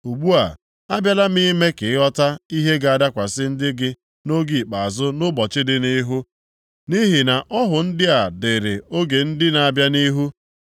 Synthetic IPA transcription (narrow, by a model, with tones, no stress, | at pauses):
u˨ɡ͡bu˦a˨ | a˦bja˦la˦mi˦me˦ke˨ɪ˦ɔ˦ta˦i˦ɦe˦ɡa˨a˨da˦kʷa˨sɪ˦n̩˦dɪ˦ɡɪ˦ | no˦ɡi˨k͡pa˨a˨zʊ˦nʊ˦bɔ˨t͡ʃɪ˦dɪ˦ni˦ɦu˦ | ni˦ɦɪ˨na˨ʔɔ˦ɦʊ˨n̩˦dɪ˦a˨dɪ˨ɾɪ˨o˦ɡe˨n̩˦dɪ˦na˨a˦˨bja˦ni˦ɦu˦